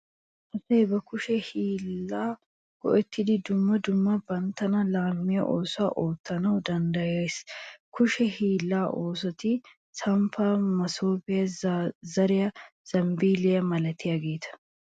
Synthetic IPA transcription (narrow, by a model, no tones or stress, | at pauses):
ʔɐseːbɐkʊʃɛhiːlːaː | ɡ̥ɔ̰ʔɛt̪ːɪd̪ɪd̪ʊmːɐd̪ʊmːɐbɐnt̪ːɐnɐlaːmːɪjɐ̰ʔoːsaːʔoːt̪ːɐnɐwd̪ɐnd̪ɐjaskʊʃɛhiːlːaːʔoːs̬ɔt̪ɪ | sɐmfamɐsoːpɪjɐzɐɾɪjɐz̥ɐmbiːlɪjɐmɐlɐt̪ɪjɐɡe̞ːt̪ʰɐ̥